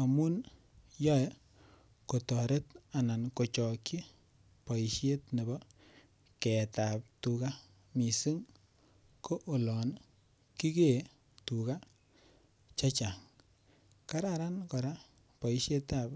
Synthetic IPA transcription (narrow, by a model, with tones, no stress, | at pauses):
a˨mu˦n | jɔ˦ | ko˨tɔ˨ɾe˦ta˨na˨nko˨t͡ʃɔ˨kːi˦ | pɔ˨i˨ʃe˦tne˨bɔ˦ | kɛ˨ta˨p̚tu˨ka˦ | mi˨si˦ŋ | ko˦ʔo˨lɔ˨n | ki˦ke˨ | tu˨ka˦ | t͡ʃa˦t͡ʃa˨ŋ | ka˦ɾa˨ɾa˦nkɔ˨ɾa˦ | pɔ˨i˦ʃe˦ta˨p